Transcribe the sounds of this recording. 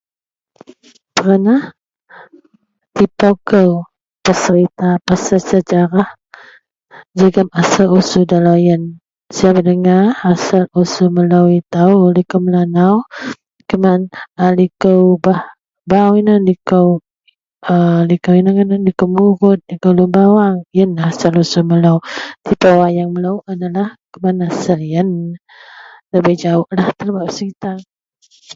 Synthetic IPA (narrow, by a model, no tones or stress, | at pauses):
t̪əɾənah | t̪ipakəw | pəsəɾit̪apasasəd͡ʒaɾah | d͡ʒəɡamasalusudalajən | sajabənəŋaɾasalusuməlawit̪aulikəwməlanaw | kəmanalikəwbah | bawinanlikəw | əlikəwinaŋənanlikəwmuɣʊt̪̚likəwlumbawaŋjənhasalusuməlawt̪ipawajaŋməlawadalahkəmanasaljən | ləbəhd͡ʒaʊʔlaht̪əlbap̚səkit̪ar